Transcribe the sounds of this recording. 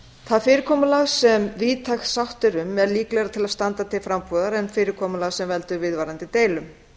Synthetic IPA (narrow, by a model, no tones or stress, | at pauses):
θaðfɪːɾɪɾkʰɔːmʏlaɣsɛmviːt̪ʰaxsawht̪ɪɾʏmɛɾliːklɛɣɾat̪ʰɪlaðst̪ant̪at̪ʰɪlfɾampœːðaɾɛnfɪːɾɪɾkʰɔːmʏlaɣsɛmvɛl̪t̪ʏɾvɪðvajɾant̪ɪt̪eːjlʏm